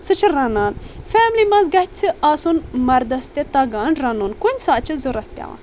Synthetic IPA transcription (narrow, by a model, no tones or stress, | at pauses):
sɨt͡ʃʰɨɾɐnaːnfɛːmlimɐ̃nzɡɐht̪ʲt͡sʰɨaːsunmɐɾd̪ɐst̪et̪ɐɡaːnɾɐnunkunʲsaːt͡ʃʰizuɾɐhpʲja̰ːʋa̰ːn